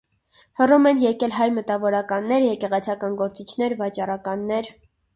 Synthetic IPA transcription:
hərumɛnjɛkɛlɦɑjmət̪ɑvɔɾɑkɑnːɛɾjɛkɛʁɛt͡sʰɑkɑnɡɔɾt͡sit͡ʃʰn̪ɛɾvɑt͡ʃɑrɑkɑnːɛɾ

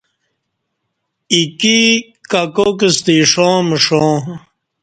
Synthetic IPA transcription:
iki | kakok̬ist̪iʂõːməʂõː

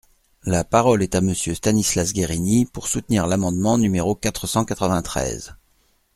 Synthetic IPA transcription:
lapaʁɔlɛt̪aməsjøst̪anislasɡʲeʁinipuʁsut̪niʁlamɑ̃d̪mɑ̃nymeʁokat̪χəsɑ̃kat̪χəvɛ̃t̪χɛ̰z

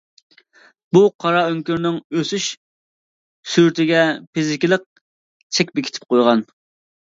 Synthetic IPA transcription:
b̥uqʰɑɾɑøŋkʲyɾnɪŋøsyʃ | syɾt̪ʰɪɡʲɛpʰizɪkʲilˠəq̚ | t͡ʃʰɛkʲbɪkʲʰt̪ʰɪ̥p̚qojʁɑn

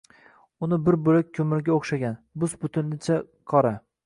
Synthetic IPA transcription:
ʊnɪbɪɾbʊlak̚ʲkʰɵmɪɾɡʲaoχʃaɡʲanbʊsbʊt̪ʰɪnlɪt͡ʃʰa | qʰɒɾa

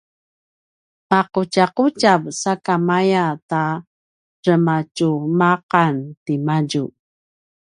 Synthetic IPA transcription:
paqucaqucavsakamajata | ɾəmacumaqantimaɟu

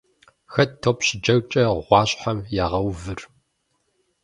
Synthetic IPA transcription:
xɐttʰopʰɕɪd͡ʒɐwt͡ʃʼɐʁʷɑːɕʼħamjaːʁɐwvɨr

